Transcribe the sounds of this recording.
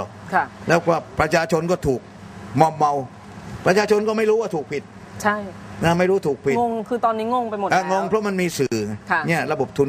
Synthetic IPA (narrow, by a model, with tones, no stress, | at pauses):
ɔ̰˨˩˧lɛː˦˥wkaː˥˩pɾa˧t͡ɕʰaː˧t͡ɕʰo˧nkɔː˥˩t̪ʰuː˨˩k̚ | mɔː˧mːa˧w | pɾa˧t͡ɕʰaː˧t͡ɕʰo˧nkɔː˥˩ma˥˩jɾu˦˥waː˥˩t̪ʰuː˨˩k̚pʰi˨˩t̪̚ | t͡ɕʰa˥˩jnaː˧˥˩ma˥˩jɾuː˦˥˩t̪ʰuː˨˩k̚pʰi˨˩˧ŋkʰɯː˧t̪ɔː˧nːiː˦˥ŋo˧˥˩ŋpa˧jmo˨˩ʔa˧˩ŋo˧ŋpʰɾɔ˦˥ma˧nmiː˧sɯː˨˩ŋʰ˧˩ni˥˩ɐɾa˧bo˨˩p̚t̪ʰu˧n